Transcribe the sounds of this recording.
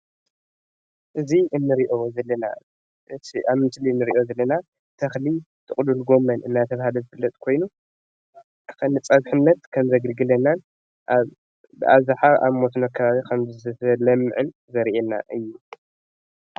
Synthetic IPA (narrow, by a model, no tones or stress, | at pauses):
ʔɨziʔɨnːɨɾiʔo̞zɐlːɐna̰ | ʔɨiʔamɨnt̪ʰɨliɨnːɨɾiʔo̞zɐlːɐna | t̪ʰɐxli | t̪ʰɨχʼlulɡo̞mːɐnɨnːat̪ʰɐβahalozɨfɨlːɐt̪ʼkʰo̞jnu | kɨnɨt͡sʼɐβħɨnːɐt̪kʰɐmzɐɡɨlɡɨlɐnan | ʔaβ | bɨʔazħaʔa̰βmosnokʰɐβaβikʰɐmzɨɐlɐmːɨʕɨn | zɐɾʔenːa̰ʔɨjːu